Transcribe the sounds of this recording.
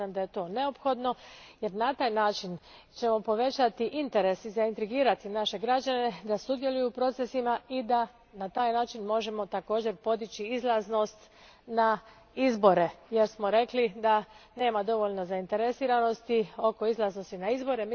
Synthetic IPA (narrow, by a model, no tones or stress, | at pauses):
amd̪aje̞t̪o̞ːne̞o̞pxo̞d̪no̞je̞ɾnat̪aːjnaːt͡ʃin | t͡ʃe̞mo̞po̞ʋe̞t͡ɕat̪iʔint̪e̞ɾe̞sizaint̪ɾiɡiːɾat̪inaʃe̞ɡɾad͡ʒane̞d̪asud̪je̞lujupɾo̞t̪se̞simaid̪a | nat̪aːjnaːt͡ʃinmo̞ʒe̞mo̞t̪ako̞ːd͡ʑe̞ɾpo̞d̪it͡ɕiizlˠazno̞st̪ | na | izbo̞ɾe̞je̞ɾsmo̞ɾe̞klid̪ane̞ːmad̪o̞ʋo̞ʎno̞zaint̪e̞ɾesiːɾano̞st̪io̞ko̞izlˠazno̞st̪inaizbo̞ɾe̞m